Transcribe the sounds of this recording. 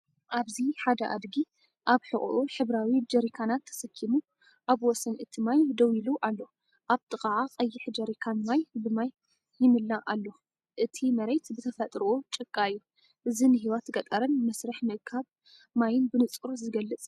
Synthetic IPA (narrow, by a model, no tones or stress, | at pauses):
ʔaβziħad̪ɐʔa̰d̪ɡi | ʔaβħɨχʼʔuħɨβɾawid͡ʒɐɾikʰanat̪ʰːɐ̥sɐkʰːimu | ʔaβwɔsɐnʔɨt̪ʰimajd̪ɐwiluʔalːo | ʔaβt̪ʼɨkʼaʕaqʼɐjːɪħd͡ʒɐɾikʰanmajbɨmajː | ɪmɨlːaʔalːo | ʔɨt̪ʰimɐɾejt̪bɨt̪ʰɐfɐt̪ʼɾɨʔot͡ʃʼɨkʼːaɨjːu | ʔɨzinɨɦiwat̪ɡɐt̪ʼɐɾɨnmɐsɾɐħmɨkʰaβ | majɪnbɨnɨt͡sʼuɾzɨɡɐlːɨt͡sʼ